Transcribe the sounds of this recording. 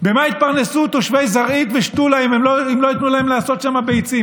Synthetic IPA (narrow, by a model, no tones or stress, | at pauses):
be̞mait̪̚paʁne̞sut̪oʃvejzaʁit̪veʃt̪ulaeimemoimlo̞it̪nulaemleaso̞t̪ʃamabejt͡sim